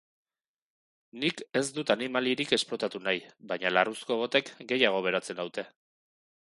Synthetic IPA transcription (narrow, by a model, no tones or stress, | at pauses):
nike̞zd̪ut̪animalieɾike̞splo̞t̪at̪unajβajɲalarusko̞βo̞t̪e̞kɡe̞jaɣ̞o̞β̞e̞ɾat͡se̞nawt̪e̞